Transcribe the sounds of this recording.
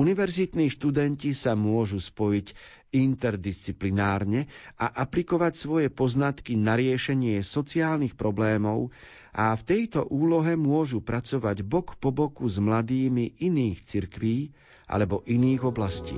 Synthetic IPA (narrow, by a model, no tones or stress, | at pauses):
uniʋɛɾzit̪niːʃt̪ud̪ɛncisamʊɔʒuspɔjic | int̪ɛɾd̪ist͡siplinaːɾɲɛaʔaplikɔʋacsʋɔjɛpɔznat̪kinaɾɪɛʃɛɲɪɛsɔt͡siaːlnixpɾɔblɛːmɔʊ | ʔaft̪ɛjt̪ɔʔuːlɔɦɛmʊɔʒupɾat͡sɔʋaɟbɔkpɔbɔkuzmlad̪iːmiʔiniːxt͡siɾkʋiː | ʔa̰lɛbɔʔiniːɣɔblascḭː